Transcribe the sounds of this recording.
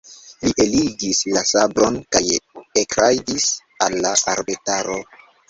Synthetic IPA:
liʔe̞liɡislasabɾo̞nkajekɾajdis | alːaʔaɾbetaɾo̞

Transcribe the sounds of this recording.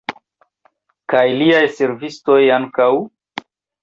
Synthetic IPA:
kajliajse̞ɾvisto̞jaŋkaw

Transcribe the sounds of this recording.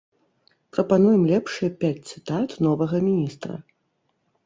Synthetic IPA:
pɾɐpanujɛmlʲɛpʂɨjɐpʲat͡sʲt̪sɨt̪at̪nɔvɐɣɐmʲinʲist̪ɾɐ̰

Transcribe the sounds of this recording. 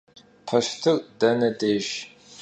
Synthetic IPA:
pʰɐʃtʰɨrʼdɐnɐdeːʒ

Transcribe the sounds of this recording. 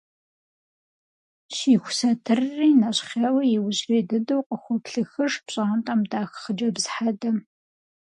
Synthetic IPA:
ʃiːxʷʊsɐtʰɨrːiːnɐɕχʲewɐjɛwʊɕriːdɐdɐwqʼəxʷɔpɬɨxɨʂpɕʼaɐmtʼaːmdaːxχəd͡ʒɐbzħadɐm

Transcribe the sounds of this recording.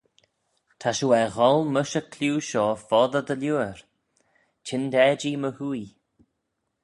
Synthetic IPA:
t̪ʰaʃuwɛɣɔlˠməʃəkʰluːʃɔːfɔðəd̪əljuːəɾ | t͡ʃʰɪnd̪ɛːd͡ʒiməhui

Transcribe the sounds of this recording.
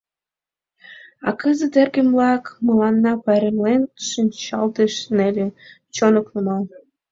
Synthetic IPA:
ɑ̰kəzə̆t̪erɡĕmlɑkməlɑnːɑpɑɾemlenʃimʲt͡ɕɑ̰lt̪eʃnelʲĕ | t͡ɕonoknumɑl

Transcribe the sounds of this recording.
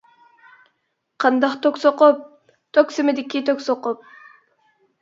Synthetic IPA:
qʰɑnd̪ɑχt̪oksoqop̚ | t̪ʰøksimed̪ɪkʲːit̪ʰøksoqop̚

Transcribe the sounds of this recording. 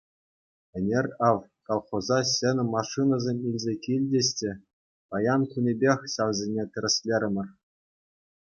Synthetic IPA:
ɘ̆nʲerʲɑʋ | kolˠχozɑɕĕnʲɘ̆mɑʂɨnɑzʲemʲilʲzʲekʲilʲdʲɘɕʲtʲɘ̆ | pɑjɑnkunʲebʲexʲɕɑʋzʲenʲet̪ʲɘ̆ɾʲɘ̆sʲlʲeɾʲɘ̆mʲɘ̆rʲ

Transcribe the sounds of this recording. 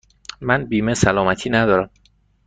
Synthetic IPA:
mænbiːmesælɒːmæt̪ʰiːnæd̪ɒːɾæm

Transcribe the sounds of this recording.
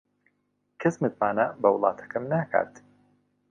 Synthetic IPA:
kʰɐsmɨt̪̚maːnɐbɐwʊlˠɑ̰ːt̪ʰɐ̥kʰɐmnaːkʰa̰ːt̪

